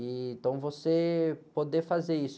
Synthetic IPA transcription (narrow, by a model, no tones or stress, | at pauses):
ĩt̪ɐ̃w̃vosepod̪efazeɾis